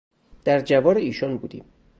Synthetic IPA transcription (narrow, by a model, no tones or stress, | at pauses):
d̪̥æɾd͡ʒævɒːɾeiːʃɒnbṵːd̪ḭːm